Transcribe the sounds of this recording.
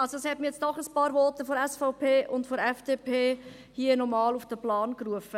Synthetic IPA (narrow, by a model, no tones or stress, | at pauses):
ɑlsodɑshɛtmijɛt͡sd̥ɔχəspɑːɾʋɔt̪əfɔɾɛsfaʊpʰeːʔʊntfɔɾɛfd̥eːpʰeː | hiənɔmɑːlufd̥əplɑːnkɾuəfə